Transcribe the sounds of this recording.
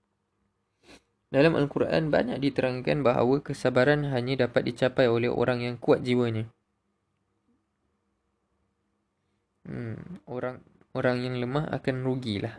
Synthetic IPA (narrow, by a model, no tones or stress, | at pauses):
dalamʔə̰ŋkuɾa̰ʔa̰nba̰ɲa̰k̚dit̪əɾaŋikanbaɦa̰wəkəsabaɾanɦaɲãdapat̪̚dit͡ʃapajolɛho̰ɾaŋjaŋkuat̪̚d͡ʒiwəɲa | moɾaŋ | oɾaŋjaŋləmaɦa̰kanruɡilʔah